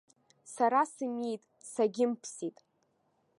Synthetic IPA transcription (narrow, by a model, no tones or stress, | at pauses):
saɾasɨmijtʼ | saɡʲɪmpʰsitʼ